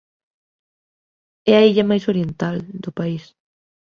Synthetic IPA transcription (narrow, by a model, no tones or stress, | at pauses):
ɛaiʎɐmajsoɾjent̪ald̪ʊpais